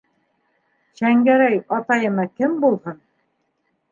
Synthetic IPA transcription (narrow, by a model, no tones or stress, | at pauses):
ɕæŋɡæɾæjɑt̪ɑjɤ̆nɑkɘmbulˠhɤn